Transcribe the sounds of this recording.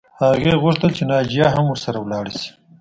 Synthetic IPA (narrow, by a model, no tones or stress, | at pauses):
haɣeɣʊʂt̪əlt͡ʃenɑd͡ʒijɑɦamwəɾsaɾawlɑːɽisi̥